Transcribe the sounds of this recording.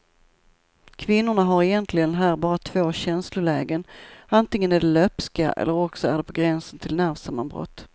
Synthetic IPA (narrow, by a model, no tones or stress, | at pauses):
kʰvɪnːʊɳaɦaɾɛjɛnt̪ʰlɪɡənnɦæːɾbɑːɾat̪ʰv̥oːɕɛnslʊɭɛːɡənant̪ɪŋːənæɖɛlœpskaʔɛ̰lːəɾɔksɔæɖɛpʰɔɡɾɛnsənt̪ʰɪlnæɾvsamːa̰nbɾɔ̰t̪ː